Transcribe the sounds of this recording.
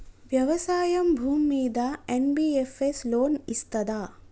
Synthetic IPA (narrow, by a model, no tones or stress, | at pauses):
ʋjɐʋɐsaːjɐmbʱuːmːiːd̪aenbiːefesloːnist̪ɐd̪aː